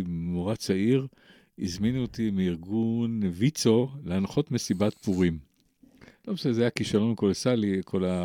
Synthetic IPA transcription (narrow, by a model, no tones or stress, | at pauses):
moʁat͡saiʁ | izminuot̪imiiʁɡunvit͡so̞leanχo̞t̪mesibat̪puʁim | lobsezajakiʃalonkolosalikʰo̞la